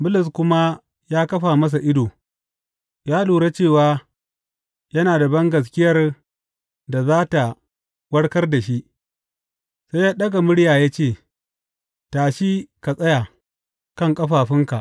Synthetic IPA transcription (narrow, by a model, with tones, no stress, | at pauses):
bʊ˦lɪ˨s̬kʷʊ˦ma˦ | jaː˦kɐ˦ɸaː˨mɐ˦s̬a˨ʔɪ˦doː˨ | jaː˦luː˨ɽe˦t͡ʃeː˦˨waː˨˦ | jɐ˦naː˨da˨bɐ˦ŋɡɐ˨s̬kʲɪ˦jɐ˦r | da˨zaː˦ta˨ | wɐ˦ɽkɐ˦rda˨ʃi˦ʔ | sa˦jːaː˦ɗɐ˦ɡa˨mʊ˦ɽjaː˨jaː˦t͡ʃeː˦˨ | taː˨ʃi˦ka˨sʼɐ˦ja˨ | kɐ˦˨ŋkʼɐ˦ɸaː˨ɸɪ˦ŋka˨ʔ